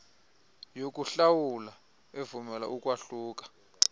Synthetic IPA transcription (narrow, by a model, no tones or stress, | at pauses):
jok̬ʼuɬawula | evumɛla̰ʔukʼwaɬuːk̬ʼḁ